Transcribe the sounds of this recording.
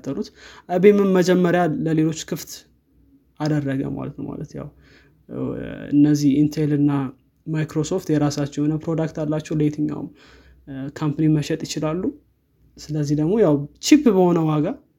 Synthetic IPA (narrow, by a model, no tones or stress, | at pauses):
t̪ʰːəlut̪ʔabemɨnməd͡ʒɛmːəɾjaləle̞lo̞t͡ʃːkʰɨft̪ | ʔad̪ərːəɡə̰ma̰lə̰t̪nə̰wma̰lət̪ja̰w | ɨ̰nːəzːihint̪ʰelɨnːa | majkɾo̞so̞ft̪jɛɾasat͡ʃːɛwnəpɾo̞d̪akt̪alːat͡ʃːɛwlet̪ʰɨɲːa̰w̰m | kʰampəniməʃɛt̪ʼjɪt͡ʃɪlalːu | sɨləzːihd̪əɡmo̞jawt͡ʃipːbəho̞nəwaɡa